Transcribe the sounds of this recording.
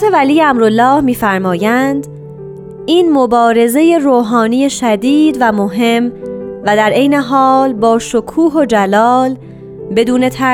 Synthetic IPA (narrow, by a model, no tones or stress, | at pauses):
t̪ʰevælijeæmɾolːɒːhmiːfæɾmɒːjænd̪ | iːnmo̞bɒːɾe̞ze̞je̞ɾoːɦɒːniːje̞ʃæd̪iːd̪væmoɦe̞mvæd̪æɾʔe̞jne̞ɦɒːlbɒːʃokʰuːɦod͡ʒælɒːl | be̞d̪uːne̞t̪ʰæ